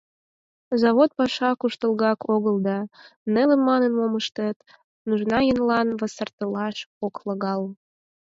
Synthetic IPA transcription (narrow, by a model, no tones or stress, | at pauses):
zɑβot̪̚pɑʃɑkuʃt̪əlɣɑkʰoɣəld̪ɑnelemmːɑnə̆nmoməʃt̪ət̪ | nuʒnɑjənlɑnβəsərt̪əlɑʃokləɣɑl